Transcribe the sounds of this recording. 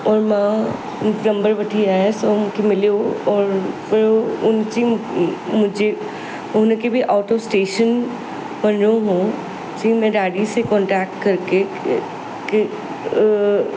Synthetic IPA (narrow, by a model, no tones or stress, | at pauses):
ɔːɾmã | nɐ̃mbəɾʋɐʈʰiaːesomkemɪlijoɔːɾfɪɾʊnt͡ɕimʊ̃d͡ʒʱe | ʊɦnkebʱiʔaːʈosʈeːʃən | bɐnɾoɦũː | d͡ʑĩmɛ̃ɖaːɽisekɔ̃ːɳʈɾɛːk̚ʈkɐɾke | k